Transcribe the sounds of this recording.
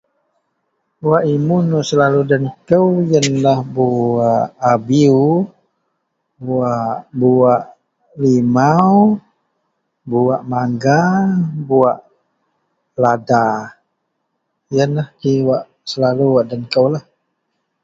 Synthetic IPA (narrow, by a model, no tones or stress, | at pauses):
waʔimunuʔsəlaludənkəwjənlahbuaʔabiu | buaʔbuaʔ | limaw | buaʔmaŋɡabuaʔ | lada | jənlahkiwaʔ | səlaluwaʔdənkəwlah